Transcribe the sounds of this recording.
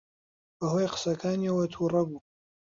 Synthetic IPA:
b̥ɐɦoːjqə̥sɐkʰaːniwɐt̪ʰuːrˤɐbuː

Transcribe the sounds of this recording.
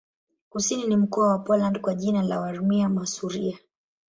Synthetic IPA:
kusininim̩kɔawapɔlandkwaʄinalawaɾmiamasuɾia

